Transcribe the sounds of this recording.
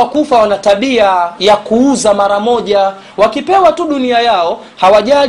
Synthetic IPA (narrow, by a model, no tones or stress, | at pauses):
akufawanataɓiajakuuzamaɾamɔʄa | wakipɛwatuɗuniajaɔ | hawaʄa